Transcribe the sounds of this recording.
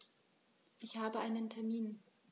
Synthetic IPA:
ʔɪçhaːbəʔaɪnəntʰɛɐmiːn

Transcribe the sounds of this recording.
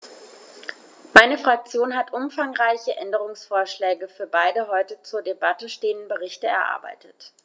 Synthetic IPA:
maɪnəfʁ̥ak̚t͡sjoːnɦatʔʊmfaŋʁaɪçəʔɛndəʁʊŋsfoːɐʃlɛːɡəfyːɐbaɪdəɦɔʏtət͡suːɐdebatəʃteːəndn̩bəʁɪçtəɛ̰ɐʔa̰ːɐba̰ɪtət

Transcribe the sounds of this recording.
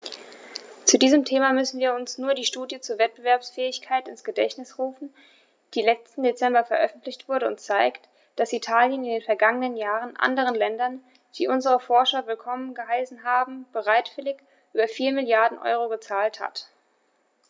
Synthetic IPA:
t͡sudiːzəmtʰeːmamʏsn̩viːɐʊnsnuːɐdiːʃtuːdjət͡suːɐvɛt̚b̥əvɛɐpsfɛːɪçkʰaɪtɪnsɡ̥ədɛçtnɪsʁuːfn̩ | d̥iːlɛt͡stn̩det͡sɛmbɐfɛɐʔœfn̩tlɪçtv̥ʊɐɾəʊntt͡saɪkt | d̥asitʰaːljənɪndeːnfɛɐɡaŋənənjaːʁənʔa̰ndəʁ̞ənlɛndɐn | d̥iːʔʊnzəʁəfɔɐʃɐvɪlkʰɔmənɡəɦaɪsn̩ɦaːbm̩b̥əʁaɪtv̥ɪlɪç | ʔyːbɐfiːɐmɪljaɐdn̩ʔɔ̰ʏʁoɡət͡saːltha̰t

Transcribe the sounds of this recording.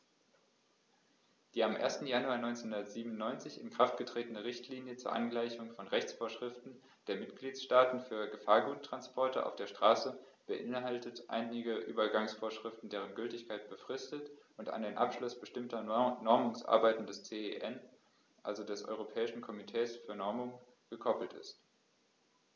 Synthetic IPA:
d̥iːamʔḛːɐstn̩januaːɐnɔʏnt͡senhʊndɐtz̥iːbnʊnːɔʏnt͡sɪçɪnkʁ̥aftɡ̥ətʁ̥eːtənəʁɪçtʰliːnjət͡suːɐʔanɡlaɪçʊŋfɔnʁɛçt͡sfoːɐʃʁ̥ɪftn̩ | d̥eːɐmɪtɡ̥liːtʃtaːtn̩fyːɐɡəfaːɐɡuːtʁ̥anspʰɔɐtəʔa̰ʊfd̥eːɐʃtʁ̥aːsə | b̥əʔɪnɦaltətʔa̰ɪnɪɡəʔyːbɐɡaŋsfoːɐʃʁ̥ɪftn̩deːʁ̞ənɡʏltɪçkʰaɪt̚b̥əfʁ̥ɪstətʔʊnta̰ndeːnʔa̰pʃlʊsb̥əʃtɪmtɐnɔɐmʊŋsʔa̰ɐbaɪtn̩dɛst͡seeʔɛn | ʔa̰lzodɛsʔɔ̰ʏʁ̞opʰɛːɪʃn̩kʰɔmitʰɛːsfyːɐnɔɐmʊŋ | ɡ̥əkʰɔpl̩tɪ̰st

